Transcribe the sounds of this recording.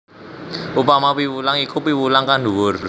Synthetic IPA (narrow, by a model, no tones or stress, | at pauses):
ʔupamapiwulaŋikupiwulaŋkanɖuwʊr